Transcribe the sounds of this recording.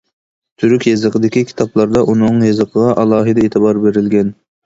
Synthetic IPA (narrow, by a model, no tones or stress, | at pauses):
t̪ʰyɾykʲjezəqəd̪ɪkʲikʲʰi̥t̪ʰɑplˠɑɾd̪ɑʔunɨŋjezəqʰəʁɑʔɑlˠɑːɦɨd̪ɛeːt̪ʰɨbɑɾbeɾɪlɡʲɛn